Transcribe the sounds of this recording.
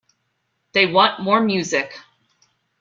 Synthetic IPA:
ðeɪwɑ̃nmɔɹmjʉzɪk

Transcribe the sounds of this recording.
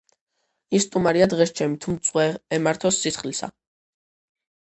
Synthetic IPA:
isːt̪ʼumaɾiad̪ʁɛst͡ʃʰɛmit̪ʰumt̪sʼwɛɛmaɾt̪ʰɔsːisχlisa̰

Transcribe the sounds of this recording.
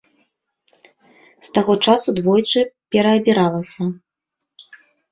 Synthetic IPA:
st̪aɣɔt͡ʂasud̪vɔjt͡ʂɨpʲɛɾɐːbʲiɾalˠɐsʲɐ

